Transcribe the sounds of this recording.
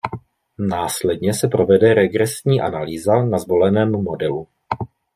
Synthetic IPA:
naːslɛdɲɛsɛpɾo̞vɛdɛɾɛɡɾɛsɲiːʔanaliːzanazvo̞lɛnɛːmːo̞dɛlu

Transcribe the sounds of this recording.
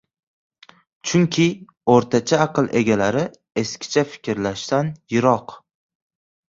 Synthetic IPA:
t͡ʃʰʊŋkʲʰɪ | oɾt̪ʰat͡ʃʰaːqɨlˠʔe̞̰ɡʲalaɾɪ | e̞skʲɪ̥t͡ʃʰafɪ̥kʲɾlaʃt̪anjɪɾɒq

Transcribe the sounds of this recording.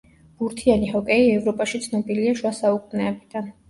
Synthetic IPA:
b̥uɾt̪ʰianihɔkʼɛiɛvɾɔpʼaʃit̪sʰnɔbiliaʃwasaukʼunɛːbid̪an

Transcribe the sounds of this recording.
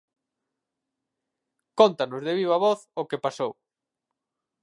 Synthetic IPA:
kont̪anʊzðɪβ̞iβaβɔθokepasow

